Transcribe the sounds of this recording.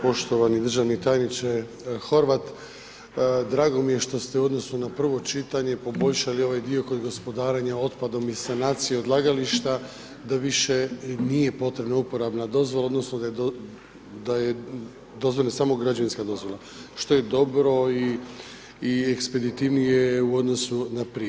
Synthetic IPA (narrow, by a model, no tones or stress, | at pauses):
po̞ʃt̪o̞ʋanid̪ɾr̩ʒaʋnit̪ajnit͡ʃe | xo̞ɾʋat̪ | d̪ɾaːɡo̞mije̞ʃt̪o̞st̪euo̞d̪nosnonapr̩ʋo̞t͡ʃit̪aɲe̞po̞bo̞ʎʃalio̞ʋajd̪io̞ko̞d̪ɡo̞spo̞d̪aːɾeɲao̞t̪pad̪o̞misanaːt̪sijeod̪lˠaːɡaliʃt̪a | d̪aʋiʃe̞nije̞po̞t̪ɾe̞bnaupo̞ɾabnad̪o̞zʋo̞lao̞d̪no̞snod̪a | d̪aje | d̪o̞zvʋolnasaːmo̞ɡɾad͡ʒaʋinskad̪o̞zʋo̞lˠa | ʃt̪o̞je̞d̪o̞bɾo̞iː | ekspe̞d̪it̪iʋnijeuo̞d̪no̞sunapɾi